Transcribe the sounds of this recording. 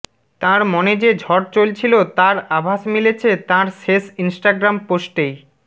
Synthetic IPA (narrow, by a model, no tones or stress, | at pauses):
t̪ãɾmɔned͡ʑed͡ʑʱɔɾt͡ɕolt͡ɕʰilot̪ãɾabʱaʃmilet͡ɕʰet̪ãɾʃeʃinsʈaɡɾamposʈej